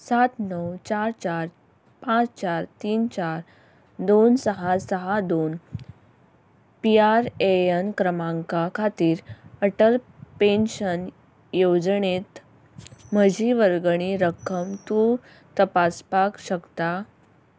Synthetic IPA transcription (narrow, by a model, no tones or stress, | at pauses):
sat̪nəwt͡ɕaɾt͡ɕaɾ | pãt͡st͡ɕaɾt̪iːnt͡ɕaɾ | d̪onsəɦasəɦad̪on | piaɾeənkɾəmãŋkakʰat̪iːɾəʈəlpenɕən | jod͡zɳet̪ | məd͡ʑiʋəɾɡɳ̃iɾəkʰːəmt̪uɾ | t̪əpaspakɕəkt̪a